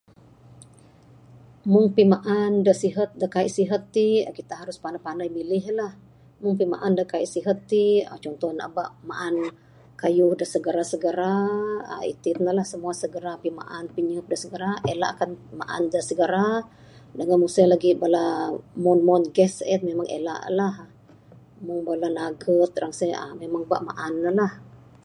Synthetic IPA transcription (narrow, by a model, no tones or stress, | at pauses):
mʊŋpimaʔandəsiɦət̪̚dəkaḭʔsiɦət̪ːikit̪aɦaɾʊspanapandajmilɪɦlah | mʊŋpima̰ʔandəkaiʔsiɦət̪ːiə̰t͡ʃɔnt̪ɔna̰baʔmaʔan | kajʊhdəsəɡəɾasəɡəɾaə̰ḭt̪ɪt̪̚nəlahsəmuasəɡəɾapima̰ʔanpiɲəp̚dəsəɡəɾaela̰ʔakanmaʔa̰ndəsəɡəɾa | dəŋanmusalaɡibalamɔnmɔnɡɛsɛt̪̚memaŋʔḛla̰ʔlah | mʊŋbalanaɡət̪̚raŋsəa̰memaŋba̰ʔma̰ʔanːəlah